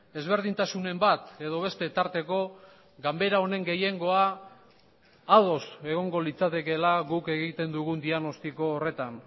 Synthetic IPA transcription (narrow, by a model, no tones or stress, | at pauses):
e̞zβe̞ɾðint̪asune̞mbat̪e̞ðo̞β̞e̞st̪e̞t̪aɾt̪e̞ko̞ | ɡambe̞ɾao̞ne̞ŋɡe̞je̞ŋɡo̞a | ðo̞se̞ɣ̞o̞ŋɡo̞lit͡sat̪e̞ke̞laɣuke̞ɣit̪e̞nd̪uɣ̞und̪iaɣno̞st̪iko̞ːre̞t̪an